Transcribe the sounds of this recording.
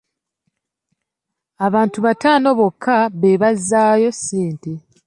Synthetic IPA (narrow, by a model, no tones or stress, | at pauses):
aβaːntuβataːno̞βo̞kʰːaβeβazːaːjo̞sːeːnte̞